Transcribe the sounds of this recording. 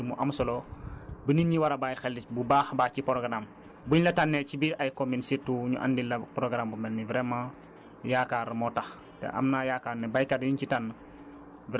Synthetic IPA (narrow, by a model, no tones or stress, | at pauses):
muʔamsɔlɔbəninɲiwaɾabajxɛlːibubaːxbaːcipɾoɡɾam | buɲlɐtanːɛt͡ʃibiɾajkominsitːuɲuʔa̰ndilɐpɾoɡɾambumɛlnivɾɛmãː | jakaɾmɔtax | tɛ̰ʔa̰mnajaːkaɾnɛbajkadjiɲcitanːɐ | v